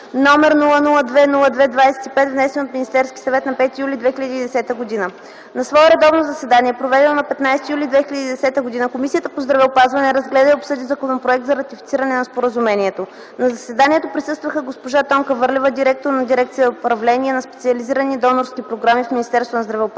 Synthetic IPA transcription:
nɔmɛɾnulˠənulˠəd̪vɛnulˠəd̪vɛd̪vajsɛ̥t̪ipɛt̪vnɛsɛnot̪mʲinʲist̪ɛɾskʲi̥sɐvɛt̪nɐpɛt̪ijulʲid̪vɛxilʲəd̪iːd̪ɛsɛt̪əɡod̪inə | nɐsvɔɛɾɛd̪ɔvnozɐsɛd̪aniɛpɾovɛd̪ɛnnɐpɛt̪najsɛt̪ijulʲid̪vɛxilʲəd̪id̪ɛsɛt̪əɡod̪inəkomisʲijət̪əpozd̪ɾɐvɛopazvɐnɛɾɐzɡlɛd̪əiopsɤd̪izɐkonopɾoɛk̚t̪zɐɾɐt̪ifit̪siɾənɛnɐspoɾəzumɛniɛt̪o | nɐzɐsɛd̪anʲiɛt̪opɾisɤst̪vəxəɡospoʒat̪ɔŋkəvɤɾlʲɛvəd̪iɾɛk̚t̪oɾnɐd̪iɾɛk̚t̪sijəopɾɐvlɛniɛnɐspɛ̥t̪siɐliziɾənid̪ɔnoɾskipɾoɡɾamifmʲinist̪ɛɾst̪vonzd̪ɾɐvɛop

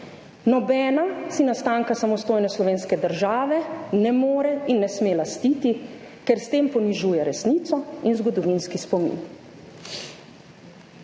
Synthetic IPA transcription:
nɔbɛːnasinast̪aŋkasamɔst̪oːjnɛslɔʋeːnskɛd̪əɾʒaːʋɛnɛmoːɾɛinːɛsmelast̪iːt̪i | kɛɾst̪eːmpɔniʒuːjɛɾɛsniːt̪sɔinzɡɔd̪ɔʋinskispɔmḭn

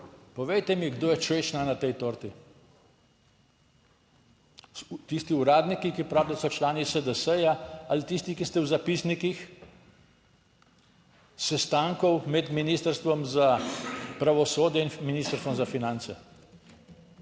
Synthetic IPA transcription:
pɔʋejt̪ɛmiɡd̪oːjɛt͡ʃʋeʃnanat̪ɛjt̪oːɾt̪i | t̪ist̪iuɾaːd̪nikikipɾaːblasɔt͡ʃlaːnisəd̪əsəjaalit̪ist̪ikist̪ɛwzapisnikix | sɛst̪aŋkɔwmɛd̪miniːst̪əɾst̪ʋɔmzapɾaʋɔsoːd̪jɛinminist̪əɾst̪ʋɔmzafinant̪sɛ̰

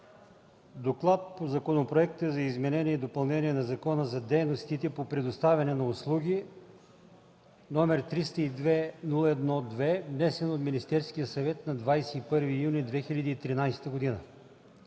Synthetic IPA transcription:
d̪oklˠat̪̚pozɐkonopɾoɛkt̪əzɐizmɛnɛniɛid̪opɐlˠnɛnʲiɛnɐzɐkɔnəzɐd̪ɛjnost̪it̪ɛpopɾɛd̪ost̪avʲɐnɛnɐʊslˠuɡʲi | nɔmɛɾt̪ɾist̪əid̪vɛnulˠəɛd̪nɔd̪vɛvnɛsɛnot̪minist̪ɛɾskijəsɐvɛt̪nɐd̪vajsɛipɤɾvijunʲid̪vɛxilʲɐd̪iːt̪ɾinajsɛ̥t̪əɡod̪inə̰

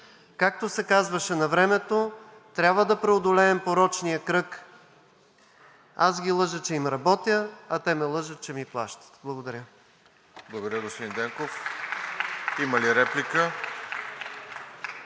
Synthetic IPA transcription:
kak̚t̪osɛkazvɐʃɛnɐvɾɛmɛt̪o | t̪ɾʲabvəd̪ɐpɾɛod̪olɛːmpoɾɔt͡ʃnijəkɾɤk | azɡʲilˠɤʒət͡ʃɛimɾɐbɔt̪jəɐt̪ɛmɛlˠɤʒət̪̚t͡ʃɛmiplˠa̰ʃt̪ə̥t̪blˠɐɡod̪ɐɾʲə | blˠɐɡod̪ɐɾʲəd̪ost̪od̪ind̪ɛŋkof | iməliɾɛplikə

